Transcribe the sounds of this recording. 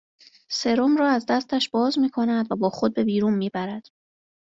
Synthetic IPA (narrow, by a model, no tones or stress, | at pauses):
se̞ɾomɾɒːæzd̪æst̪ʰæʃb̥ɒːzmiːkʰo̞næd̪væbɒːxo̞d̪̚be̞biːɾuːnmiːbæɾæd̪̥